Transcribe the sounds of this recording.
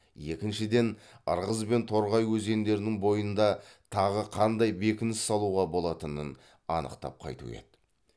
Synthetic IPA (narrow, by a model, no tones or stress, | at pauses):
je̞kʲɪnʃɪd̪e̞nə̰ɾʁəzbe̞nt̪ʰo̞ɾʁɑjwɵze̞nd̪e̞ɾɪnɪŋbo̞jənd̪ɑt̪ʰɑʁəqʰɑnd̪ɑjbe̞kʲɪnɪsːɑlˠuʁɑbo̞lˠɑt̪ənən | ɑnə̰qt̪ɑ̰p̚qʰɑ̰jt̪ṵḛt̪